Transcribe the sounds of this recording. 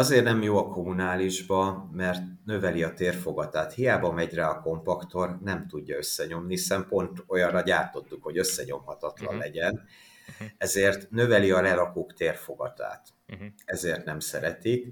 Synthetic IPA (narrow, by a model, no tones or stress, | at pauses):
ɒzeːrnɛmjoːɒko̞munaːliʒbɒmɛrt̪nø̞vɛliɒt̪eːrfo̞ɡɒt̪aːt̪hijaːbɒmɛɟrɛɒko̞mpɒkt̪o̞rnɛmt̪uɟːɒø̞sːɛɲo̞mnihisɛmpo̞nt̪o̞jɒnrrɒɟaːrt̪o̞t̪ːukho̞ɟøsːɛɲo̞̰mhɒt̪ɒt̪lɒ̰nlɛɟɛn | ɛzeːrt̪nø̞vɛliɒlɛɾɒkoːkt̪eːrfo̞ɡɒt̪a̰ːt̪ | ɛzeːrt̪nɛmsɛɾɛt̪ik